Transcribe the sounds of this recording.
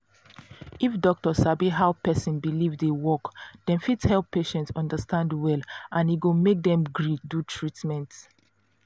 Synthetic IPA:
ifdɔk̚tɔsabiɦaʊpɛsĩnbilivdewɔkdɛ̃nfitshɛlpʰːeʃɛ̃ntsɔ̃ndəstãndwɛlãniɡomek̚d̪ɛ̃mɡɹidutʰɹitmɛ̃nt

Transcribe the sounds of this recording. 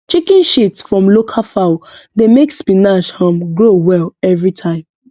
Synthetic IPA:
t͡ʃikĩnʃitsfɹɔ̃mlokʰalfaʊdemekspinaʃhɔ̃mɡɹowɛlɛvɹitʰãɪ̃m

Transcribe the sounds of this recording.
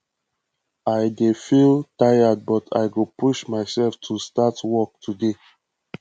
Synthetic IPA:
aɪdefiltajad̚bɔtʰa̰ɪɡopʰuʃmaɪsɛlftʰustatwɔk̚tʰude

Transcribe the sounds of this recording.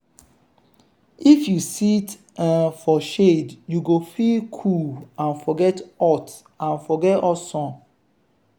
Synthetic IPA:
ifjusit | ɛfɔʃedjuɡofilkʰuãnfɔɡɛtɔt | ãnfɔɡɛtɔsɔ̃n

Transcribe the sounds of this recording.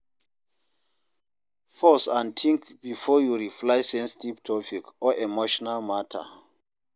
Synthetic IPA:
fɔsãntʰĩŋkbifɔjuɹiflaɪsɛ̃nsitivtʰɔpikɔʔemoʃɔnalmatʰa̰

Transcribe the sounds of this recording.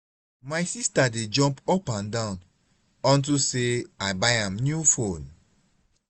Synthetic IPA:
majsistaded͡ʒɔ̃mpɔpãndãʊ̃n | ɔ̃ntuseaɪbajãmnjufõn

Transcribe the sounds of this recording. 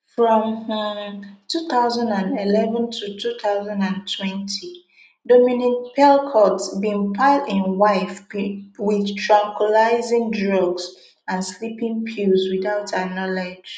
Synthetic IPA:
fɹɔ̃m | tuθaʊzãndãndilɛvə̃ntʰutʰuθaʊzãndãntʰwɛ̃ntʰi | dominipʰɛlkʰɔtsbĩmpʰaɪldɪ̃nwaɪfwɪðtʰɹãŋkʰwəlaɪzɪ̃ŋdɹɔɡs | ãnslipĩŋpʰulzwiθaʊtʰanɔled͡ʒ

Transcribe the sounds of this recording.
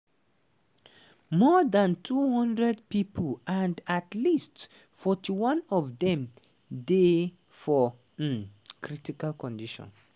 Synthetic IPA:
mɔðãntʰuhɔ̃ndɹɛdpipəlãndatlist | fɔtʰiwãnɔvðɛ̃m | de | fɔ | kɹitikalkɔ̃ndiʃɔ̰̃n

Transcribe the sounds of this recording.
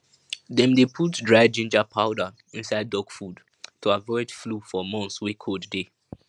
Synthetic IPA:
dɛ̃mdepʰutdɹaɪd͡ʒĩnd͡ʒapʰaʊda | ĩnsaɪdːɔɡfud | tʰoavɔɪdflufɔmɔ̃nswikʰodde

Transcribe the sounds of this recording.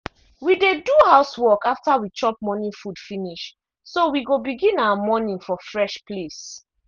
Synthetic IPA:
wideduhaʊswɔkaftawit͡ʃɔp̚mɔnĩfud̥finiʃ | sowiɡobiɡĩnawəmɔnĩŋfɔfɹɛʃples

